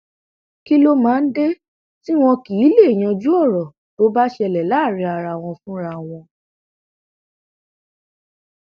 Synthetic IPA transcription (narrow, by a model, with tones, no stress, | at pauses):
ki˦lo˦mãː˦˧n̩˦de˦ | ti˦w̃ɔ̃˧ki˨˦le˦˨j̃ã˧d͡ʒu˦ɔ˦˨ɾɔ˨ | to˨˦ba˦ʃɛ˧lɛ˨la˨˦˨ɾ̃ĩ˧a˧ɾa˧˨w̃ɔ̃˧fũ˦ɾa˧˦w̃ɔ̃˧